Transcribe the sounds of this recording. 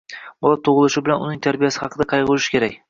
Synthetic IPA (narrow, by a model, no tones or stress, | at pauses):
bɒlˠat̪ʰːoʁɨlˠɪʃɪbɪlanʊ̰nɪŋt̪ʰaɾbɪjasɪ̥hɑqɨd̪aqʰɑjbolˠɪʃɪ̥kʲʰe̞ɾakʲ